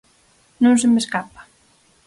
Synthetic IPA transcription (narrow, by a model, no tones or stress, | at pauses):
nõnsemeskapḁ